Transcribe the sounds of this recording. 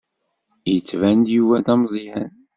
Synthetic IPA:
jət͡sːvænd̪juwæd̪æmzˤihæn

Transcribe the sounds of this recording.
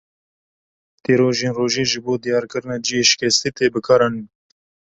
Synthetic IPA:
t̪eːɾoːʒeːnroːʒiːʒɨboːd̪ijɑːɾkɨɾɨnaːd͡ʒijeːʃɪ̥kʲɛst̪iːt̪eːbɨkʰaɾɑnin

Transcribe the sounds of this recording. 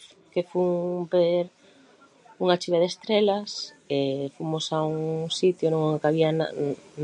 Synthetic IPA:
kefuŋpeɾ | uŋat͡ʃiβeðest̪ɾelas | efumosauŋsit̪jonõŋakaβiana̰n

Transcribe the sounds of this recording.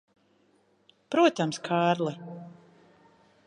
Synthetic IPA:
pɾuɔt̪amskʰaːɾlˠɛ

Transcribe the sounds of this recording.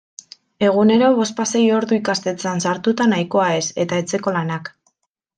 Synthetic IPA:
e̞ɣ̞une̞ɾo̞βo̞spasejo̞ɾðuikast̪e̞t͡seansaɾt̪ut̪anajko̞ae̞se̞t̪ae̞t͡se̞ko̞lanak

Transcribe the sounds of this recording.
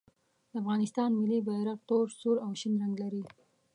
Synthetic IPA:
d̪̥əafɣɑnɪst̪ɑnmɪlibajɾat̪oɾsuɾawʃinɾaŋɡlaɾi

